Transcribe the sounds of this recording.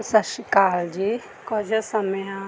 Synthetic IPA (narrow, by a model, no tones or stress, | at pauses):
sɐʃikaːld͡ʒiː | kɔd͡ʒɐsɐmjã